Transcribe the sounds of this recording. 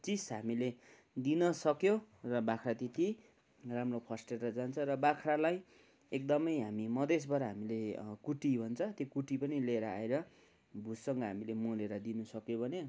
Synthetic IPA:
t͡sisɦamile | d̪inʌsʌkjõrʌbakʰrat̪it̪i | ramropʰʌsʈerʌd͡zant͡sʰʌ̃ɾʌbakʰralaj | ek̚d̪ʌmʌjɦamimʌd̪esbʱʌɾʌɦamilekuʈibʱʌnt͡sʰʌt̪jokuʈipʌnileɾʌa̰eɾʌ | bʱusʌŋɡʌɦamilemuleɾʌd̪inusʌkjobʱʌne

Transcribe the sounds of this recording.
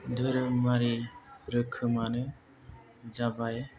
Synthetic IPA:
d̪ʱɯɾɯmaɾiɾɯkʰɯmanɯ | d͡ʒabaj

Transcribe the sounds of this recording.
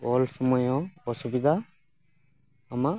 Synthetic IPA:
ɔlsɔmɔjɔɔsubid̪ʱa | ama

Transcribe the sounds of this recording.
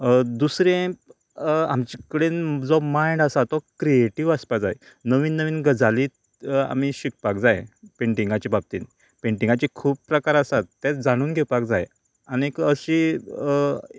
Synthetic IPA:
d̪usɾẽ | a̰mt͡ɕikəɽend͡zɔmajɳɖəsat̪ɔkɾieʈiʋəspad͡za̰j | nəʋiːnːəʋiːnɡəd͡zali | a̰m̤iɕik̚pakd͡zajpeɳʈiŋɡat͡ɕibab̚t̪ḭːn | peɳʈĩŋɡat͡ɕikʰuːp̚pɾəkaɾəsat̪ːet͡sd͡zaɽ̃uːnɡʱepakd͡zaj | aniekəɕi

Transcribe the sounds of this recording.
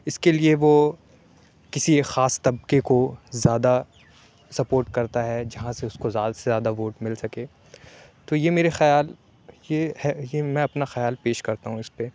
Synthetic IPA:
ɪskelieʋo | kɪsiexaːst̪ɐb̚kekozjaːd̪a | sɐpoːɾʈkɐɾt̪aɦɛd͡ʒɐɦãseʊskozjaːd̪sezjaːd̪aʋoːʈmɪlsɐkeː | t̪ojemeːɾexɐjaːl | jehɛjemɛ̃ɐpnaxɐjaːlpeːʃkɐɾt̪aɦũɪspe

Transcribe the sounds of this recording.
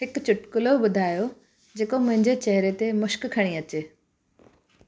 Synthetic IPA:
ɦɪkt͡ɕʊʈkʊloɓʊd̪ʱaːjo | d͡ʑeːkomʊ̃ɦɪ̃ɲd͡ʑet͡ɕɐɦɾet̪emʊʃkkʰɐɽ̃iɐt͡ɕeː

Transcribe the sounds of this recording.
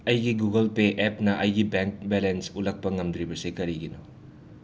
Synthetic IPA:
ɐjɡiɡuɡɐlpeʔepnɐʔɐjɡibeŋk̚belensulɐk̚pɐŋɐmd̪ɾibɐsikɐɾiɡino

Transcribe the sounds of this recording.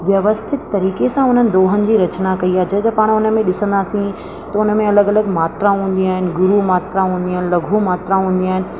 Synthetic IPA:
ʋjɐʋəst̪ʰɪt̪ːɐɾiːkesãʊn̤ənɪ̆d̪oːɦənɪ̆d͡ʑiːɾɐt͡ɕnakɐiaːɦed͡ʑɐt̪ɐpaːɽ̃ʊnəmẽɗɪsə̃nd̪aːsĩ | t̪ɐʊnə̆mẽɐləɡɐləɡmaːt̪ɾaɦũːnd̪iaːɦɪnɪ̆ɡʊɾumaːt̪ɾaɦũːn̆d̪iaːɦɪnɪ̆lɐɡʱumaːt̪ɾaɦũːnd̪iaːɦɪnɪ̆

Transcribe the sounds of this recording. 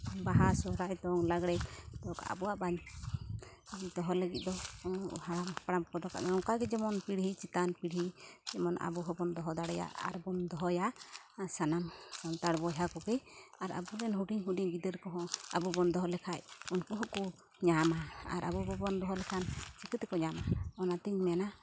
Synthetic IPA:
baɦasɔɾajt̪ɔŋlaɡɽɛt̪ɔka̰ʔa̰buwaʔbaɲ | d̪ɔɦɔləɡit̪̚ˀd̪ɔ | aɽampaɽamkɔd̪ɔkʰa̰ʔmɛɔŋkaɡɛd͡ʒɛmɔnpiɽɦit͡ʃit̪anpiɽɦid͡ʒɛmɔnʔa̰buɦɔbɔnd̪ɔɦɔd̪aɽɛja̰ʔa̰ɾbɔnd̪ɔɦɔja | sanamsɔnt̪aɽbɔjɦakɔkɛaɾa̰bud̪ɛnɦuʈiɦuɖiɲɡid̪əɾkɔɦɔ̃a̰bubɔnd̪ɔɦɔlɛkʰacunkɔɦɔkɔ | ɲamaa̰ɾabubɔbɔnd̪ɔɦɔlɛkʰant͡ʃikɯt̪ɛkɔɲamaɔnat̪iɲmɛna

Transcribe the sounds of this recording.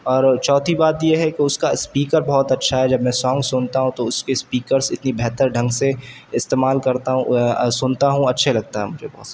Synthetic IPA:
ɔːɾt͡ʃɔːt̪ʰibaːt̪jeɦɛkeʊskaspiːkəɾbɔːt̪ɐtːʃʰaɦɛd͡ʒɐbmɛ̃sɔ̃ːŋɡsʊnt̪aɦũt̪oʊskespiːkəɾsɪt̪nibɛɦt̪əɾɖʱɐ̃ŋɡse | ɪst̪eːmaːlkɐɾt̪aɦũsʊnt̪aɦũɐtːʃʰelɐɡ̚t̪aɦɛmʊd͡ʒʱebɔɦːt̪s

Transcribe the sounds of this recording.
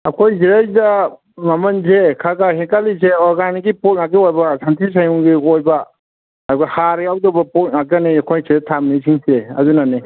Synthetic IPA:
ɐkʰojziɾesda | mamɐnzekʰaɡahikalizeɔɾɡaniɡiput̚ŋaɡ̚ɡiojbasantʰis̬ajuŋɡiojba | aduɡahaɾiawdɔbɐput̚ŋak̚ɡaniakʰojsiɾetʰamnisʰiŋseɐ̰zunani

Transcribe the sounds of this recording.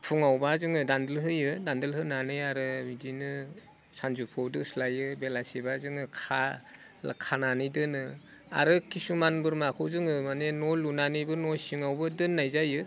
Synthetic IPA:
pʰuŋawbazɯŋɯdandɯlɦɯjɯdandɯlɦɯnanɯjaɾɯmidinɯ | sanzupʰowdɯslajɯbelasebazɯŋɯkʰa̰ | kʰananɯjdɯnɯ | a̰ɾɯkʰisumanbɯɾmakʰɯwzɯŋɯmanenolunanibɯnojsiŋawbɯdɯnːajzajɯ

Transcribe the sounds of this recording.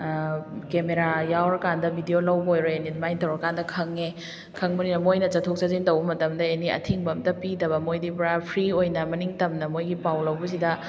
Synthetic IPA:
kemeɾajawɾɐkandɐbʱidiolɐwbɐojɾoenitmajtɐwɾɐkandɐkʰɐŋe | kʰɐŋbɐninɐmojnɐt͡ʃɐtʰok̚sɐzintɐwbɐmɐtɐmdɐeniɐ̰tʰiŋbɐmdɐpidɐβɐmojdipɾapʰɾiojnɐmɐniŋtɐmnɐmojɡipawlɐwbɐs̬idɐ

